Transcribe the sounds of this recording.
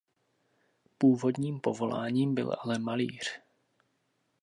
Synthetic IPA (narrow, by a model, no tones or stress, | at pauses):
puːvo̞dɲiːmpo̞vo̞la̰ːɲiːmbɪ̰la̰lɛmalḭːr̥